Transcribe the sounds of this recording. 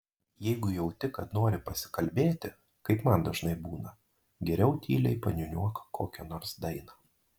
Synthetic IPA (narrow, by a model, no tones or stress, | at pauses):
jɛɪɡʊjɛʊt̪ʲɪkːɐt̪noːɾʲɪpɐsʲɪ̥kɐlʲbʲeːt̪ʲɪ | kɐɪpmɐnd̪ɐʒnɐɪbuːnɐ | ɡʲɛɾʲɛʊt̪ʲʰiːlʲɛɪpɐnʲʊnʲuɔkɐ̥kʰoːkʲɛnɔːɾsd̪ɐɪnɐ